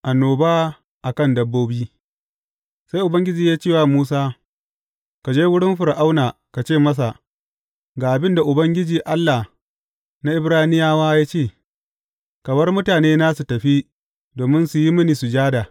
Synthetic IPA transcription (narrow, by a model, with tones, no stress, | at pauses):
ʔa˨nːoː˨baː˦ | ʔa˨kɐ˦˨ndɐ˦bːoː˦biː˦ | sa˦jʔʊ˨bɐ˦ŋɡʲɪ˦d͡ʒiː˨jaː˦t͡ʃeː˦˨waː˨muː˦s̬aː˦ | ka˨d͡ʒeː˦wʊ˦ɽɪ˦mɸʊ˨ɾʔa˦wnaː˨ | ka˨t͡ʃeː˦˨mɐ˦s̬a˨ | ɡaː˨ʔa˨bɪ˦nda˨ʔʊ˨bɐ˦ŋɡʲɪ˦d͡ʒiː˨ʔa˦lːa˨ | na˦ʔɪ˦bɾaː˦hnɪ˦jaː˦waː˦jaː˦t͡ʃeː˦˨ | kɐ˨mɐ˦rmʊ˦taː˨neː˦naː˦su˨tɐ˨ɸi˦ | doː˨mɪ˦nsu˨ji˦mɪ˦niː˨su˨d͡ʒaː˦daː˨